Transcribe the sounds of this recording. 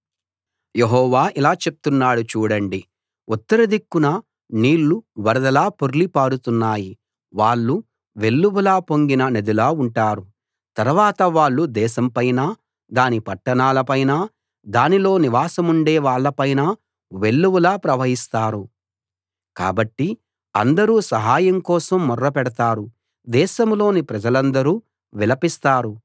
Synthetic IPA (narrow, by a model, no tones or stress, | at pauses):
jeɦɔːʋaːʔilaːt͡ʃe̞p̚t̪unːaːɽut͡ʃuːɽɐɳɖi | ut̪ːɐɾɐd̪ikːunɐ | niːɭːuʋɐɾɐd̪ɐlaːpoɾulipaːɽut̪unːaːji | ʋaːɭːu | ʋe̞ɭːuʋulaːpo̞ŋɡinɐned̪ulaːuɳʈaːɾu | t̪ɐɾuʋaːt̪ɐʋaːɭːud̪ɛːʃɐmpɐjnaː | d̪aːnipɐʈːɐnaːlɐpɐjnaː | d̪aːnilo̞ːniʋaːsɐmuɳɖeːʋaːɭːɐpɐjnaː | ʋe̞ɭːuwulaːpɾɐʋɐɦist̪aːɾu | ka̰ːbɐʈːi | ɐnd̪ɐɾuːsɐɦaːjɐmkɔːsɐmːɔrːɐpɛɽɐt̪aːɾu | d̪ɛːʃɐmlo̞ːnipɾɐd͡ʒɐlɐnd̪ɐɾuː | ʋɛlɐpist̪aːɾu